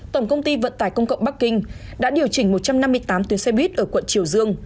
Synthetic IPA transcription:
t̪ə˧˩ŋ͡mkə˧wŋ͡mt̪i˧və̰˧˨nt̪aː˧˩jkə˧wŋ͡mkə̰˧˨ŋ͡mɓa˦˥kːï˧ŋ̟ɗa̰ː˧˥ɗi˨˩əwt͡ɕï˧˩ŋ̟mo˨˩t̚t͡ɕa˧mna˧mːɨ˧əjt̪aː˨˦mt̪wi˨˦nsɛ˧ɓwi˦˥t̚ʔəː˧˩kwə˧˨nt͡ɕi˧˩əwzɨ˧əŋ

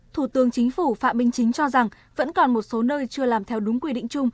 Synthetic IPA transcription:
t̪ʰu˧˩t̪ɨ˨˦əŋt͡ɕï˨˦ŋ̟fu˧˩fa̰ː˧˨ɓï˧˩ŋ̟t͡ɕï˨˦ŋ̟t͡ɕɔ˧za˨˩ŋ | və̰˧˥nkɔ˨˩nmo˨˩t̚so˨˦nəː˧jt͡ɕɨ˧əlaː˨˩mt̪ʰɛ˧wɗʊ˨˦ŋ͡mkwi˧ɗḭ̈˧˨ŋ̟t͡ɕʊ˧ŋ͡m

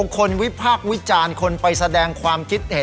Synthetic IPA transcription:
o˧kʰːo˧nwi˦˥pʰaː˥˩k̚wi˦˥t͡ɕaː˧nkʰo˧npa˧jsa˧dɛː˧ŋkʰwaː˧mkʰi˦˥t̪̚he˩˦

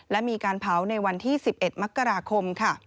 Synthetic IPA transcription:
lɛ˦˥miː˧kaː˧npʰa˩˦˥wna˧jwa˧nt̪ʰiː˥˩si˨˩p̚ʔe˨˩t̪̚ma˦˥kːa˧ɾaː˧kʰo˧mkʰa˥˩

